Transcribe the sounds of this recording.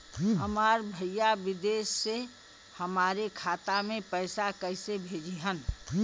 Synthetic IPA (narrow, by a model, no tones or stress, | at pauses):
ɦɐmaːɾbʱəjaʋɪd̪eːsːe | həmaːɾekʰaːt̪amẽpəɪsakəɪsebʱeːd͡ʒeɦən